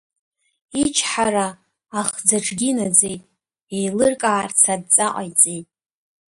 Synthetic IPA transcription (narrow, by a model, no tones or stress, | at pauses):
it͡ʃʰħaɾaː | χd͡zaʈ͡ʂʰʼɡʲinad͡zejtʼ | ejlɨrkʼaːrt͡sʰad̚t͡sʼaʔʼajt͡sʼejtʼ